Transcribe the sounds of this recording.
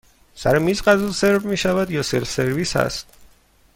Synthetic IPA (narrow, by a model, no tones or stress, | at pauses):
saɾɛmisqʼazulˠsɛɾbmiʃavad̪jɔsɛlsɛɾvisa̰s